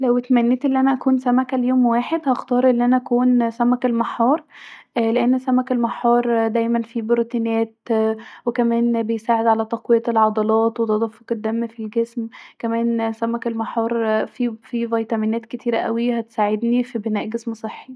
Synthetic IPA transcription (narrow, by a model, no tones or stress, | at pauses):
læwet̪mænːeːt̪ʔelːiʔænæʔækuːnsæmækæljoːmwaːħed̪hɑxt̪ɑːɾˤʔelːiʔænæʔækuːnsæmækelmɑħːɑːɾˤʔleʔenːsæmækelmɑħːɑːɾˤd̪æjmænfibɾot̪inæːt̪wekæmæːnbejsaːʕed̪ʕalæt̪ˤɑqwejɑt̪elʕɑd̪ˤɑlɑːt̪wet̪ɑd̪ˤɑfːoked̪ːæmːfilɡesmkæmæːnsæmækelmɑħɑːɾˤfifivɑjt̪ɑmiːnæːt̪̚ket̪ʰiːɾæʔæwihæt̪saːʕed̪nifibenæːʔɡesmsˤeħːi